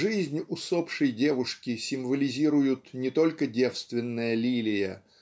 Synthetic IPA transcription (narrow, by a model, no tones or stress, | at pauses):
ʐɨzʲnʲʊsopʂəjdʲe̞vʊʂkʲɪsʲɪmvəlʲɪzʲiɾʊjʊt̪nʲɪt̪o̞lʲkədʲe̞fst̪vʲɪnːəjəlʲilʲɪjə